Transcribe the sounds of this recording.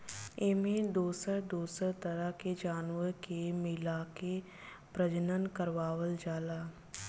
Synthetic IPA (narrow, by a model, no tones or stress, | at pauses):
ɪmẽd̪oːsəɾd̪uːsəɾt̪əɾəɦked͡ʒaːnʋəɾkemɪlaːke | pɾəd͡ʒənənkəɾʋaːwəld͡ʒaːlaː